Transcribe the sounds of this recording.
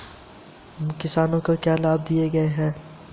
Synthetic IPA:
mkɪsaːnõkakjaːlaːb̚d̪ieɡɐeɦɛ̃ː

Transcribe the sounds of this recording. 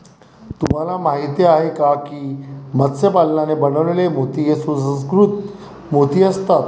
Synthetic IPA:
t̪um̤alamaɦit̪jeaɦekakiːmət̪sjəpalnanebənəʋlelemot̪ijesusə̃skɾut̪ | mot̪iːəst̪at̪

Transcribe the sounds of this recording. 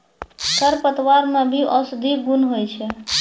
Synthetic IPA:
t̪əɾpət̪ʋaɾmẽbʱiʔɔsd̪ʱiɡunɦojt͡ʃʰɛ

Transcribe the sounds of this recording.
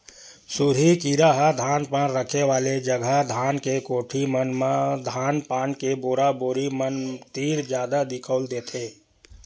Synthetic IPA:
suɾikiɾaɦad̪ʱaːnpãːnɾəkʰeʋaːled͡ʒəɡʱəd̪ʱaːnkekoːʈʰimənmad̪ʱaːnpaːnkeboːɾaboːɾimənt̪iːɾd͡ʒjaːd̪ad̪ɪkʰəːld̪eːt̪ʰeː

